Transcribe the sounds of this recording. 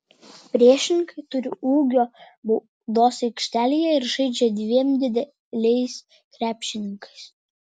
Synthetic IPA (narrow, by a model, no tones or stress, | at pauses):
pʲɾʲiɛʃʲɪnʲɪŋkʰɐɪt̪ʊɾʲɪʔuːɡʲoː | bʊ | d̪oːsɛɪkʃʲt̪ʲæːlʲijɛɪɾʒɐɪd͡ʒʲɛd̪ʲʋʲiɛmd̪ʲɪd̪ʲɛ | lʲɛɪs | kɾʲæːpʲʃʲɪnʲɪŋkɐɪs